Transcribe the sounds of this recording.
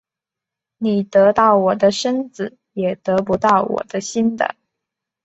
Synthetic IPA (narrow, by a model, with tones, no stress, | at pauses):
ni˨˩t̪ɤ˧˥t̪ɑ˥˩ʊwɔ˨˩d̪ə˦ʂə˥nd͡zɹ̩˨˩ | jɛ˨˩t̪ɤ˧˥pu˧˥t̪ɑ˥˩ʊwɔ̰˨˩d̪ə˦ɕi˥nd̪ə̰˨